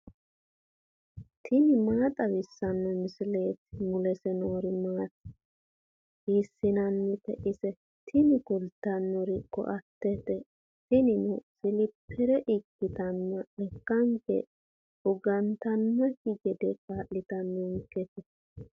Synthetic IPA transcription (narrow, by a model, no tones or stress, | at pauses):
t̪ʰɪnɪmaːt̪ʼɐwɪsːɐnːɔmɪsɪle̞ːt̪mʊlɛsɛnoːɾɪmaːt̪ | hisːɪnɐnːɛt̪ɛʔɪsɛ | t̪ʰɪnɪkʊlt̪ːɐnːɔɾɪkːɔ̰ʔɐt̪ːɛt̪ɛ | t̪ɪnɪnɔsɪlɪpʰːɛɾɛʔɪkːɪt̪ɐnːɐɛkːɐŋkɛ̰ | ʊɡɐnt̪ɐnːɐkɪɡɛd̪ɛkʼaːʔɪt̪ɐnːɔŋkːɛt̪ɛ